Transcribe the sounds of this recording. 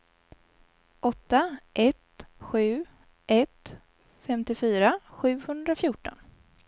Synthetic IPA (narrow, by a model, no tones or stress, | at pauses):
ʔɔt̪ːaʔɛt̪ɧʉ̟ː | ʔɛt̪ | fɛmt̪ɪfyːɾaɧʉ̟ːhɵnd̪ɾafjʊːʈɔ̰n